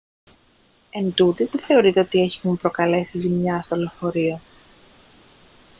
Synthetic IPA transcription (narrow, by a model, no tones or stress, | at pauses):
e̞nd̪ut̪izðeθe̞o̞ɾit̪e̞o̞t̪ie̞çimumpɾo̞kɐle̞sizimɲɐst̪olo̞fo̞ɾio̞